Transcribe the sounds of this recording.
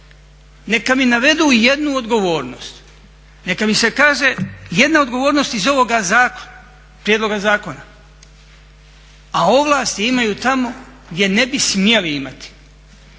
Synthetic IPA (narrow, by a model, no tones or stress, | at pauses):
ne̞kaminaʋe̞d̪uːje̞d̪nuod̪ɡo̞ʋo̞ːɾno̞̰st̪ | ne̞kamise̞kaːʒeje̞d̪nao̞d̪ɡo̞ʋo̞ːɾnost̪izo̞ʋo̞ɡazaːko̥n | pɾjed̪lo̞ɡazaːko̞na | ao̞ʋlˠaːst̪iimajuːt̪amo̞ | ɡd̪ʲjene̞bismjeliimat̪i̥